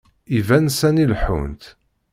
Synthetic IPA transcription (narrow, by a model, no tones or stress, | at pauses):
ivænsænilħṵnt̪